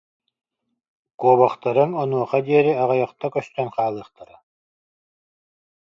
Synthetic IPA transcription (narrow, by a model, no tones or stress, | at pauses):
kuːbɔχt̪aɾɯnɔnuɔqad̪iɛɾiaʁajɑqt̪akœst̪œnqaːlˠɯːχt̪aɾɯ